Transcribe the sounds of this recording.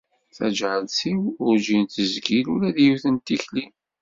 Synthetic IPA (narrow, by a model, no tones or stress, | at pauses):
θæ̰d͡ʒʕəlsiwʊɾd͡ʒint̪əzɡilulæðjuθənt̪içli